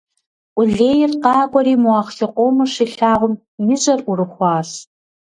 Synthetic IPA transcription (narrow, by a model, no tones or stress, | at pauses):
ʔʷʊɮeːjɪrqɑːkʷʼɔɾiːmuɑːχxɪqʷʼoːmɐʂiːɬaːʁʷʊm | jɪɕʼɐrurɨχʷɑːs